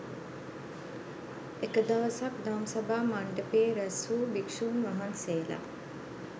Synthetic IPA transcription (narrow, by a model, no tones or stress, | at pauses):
ekəd̪aʋəsak̚d̪amsabaːmaɳɖəpeːɾæsuːbikʂuːnʋaɦanseːla̰ː